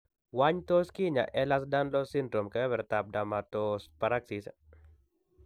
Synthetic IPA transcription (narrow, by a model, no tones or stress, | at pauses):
waɲt̪oskɪɲa̰ʔɛlas̬danlɔsindɾomkɛwɛɾt̪ap̚damat̪ospaɾaksis